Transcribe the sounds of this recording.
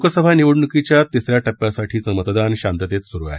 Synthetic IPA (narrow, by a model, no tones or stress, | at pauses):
kəsəbʱaniʋəɽɳukit͡ɕjat̪isɾjaʈəpːjasaʈʰiːt͡səmət̪d̪anɕant̪ət̪et̪suɾua̰